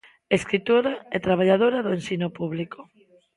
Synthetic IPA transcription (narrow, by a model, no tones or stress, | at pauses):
eskɾit̪oɾaet̪ɾaβ̞aʎaðoɾaðoensinopuβliko̥